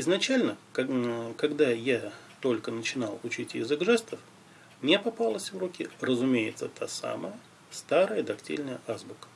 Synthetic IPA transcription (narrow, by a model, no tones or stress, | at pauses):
ɪznɐt͡ɕælʲnə | kɐɡd̪aja | t̪o̞lʲkənət͡ɕɪnalˠʊt͡ɕitʲjɪ̰zɨɡʐɛst̪əf | mnʲepɐpalˠəsʲvrukʲɪrəzʊmʲejɪt̪sət̪ʰasa̰məjə | st̪aɾəjəd̪ɐktʲḭlʲnəjəʔazbʊkə̥